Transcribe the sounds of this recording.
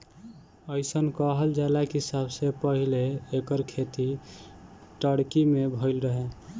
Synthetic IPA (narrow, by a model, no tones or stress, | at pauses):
əɪsənkəɦəld͡ʒalakɦisabsepəɦileːkəɾkʰet̪i | ʈəɽkimebʱəɪlɾəɦe